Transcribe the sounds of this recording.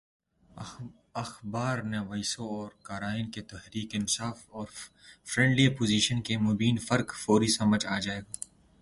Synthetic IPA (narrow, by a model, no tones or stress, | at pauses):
ɐxbaːɾneʋɐsoɔːɾkaːɾaːɪnket̪ɐɦɾiːkɪnsaːfɔːɾ | fɾɛ̃ːɳɖliɐpoːziːʃənkemʊbiːnfɐɾkfoːɾisɐməd͡ʒaːd͡ʒaːeːɡaː